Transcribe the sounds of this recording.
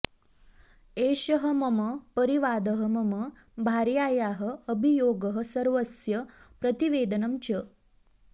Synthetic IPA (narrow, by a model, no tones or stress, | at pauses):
eːɕəɦəmɐməpəɾiʋaːd̪əɦəmɐmə | bʱaɾjaːjaːɦə̆ːbʱijoːɡəɦə̆sɐɾʋəsjɐpɾət̪iʋeːd̪ənɐmt͡ɕə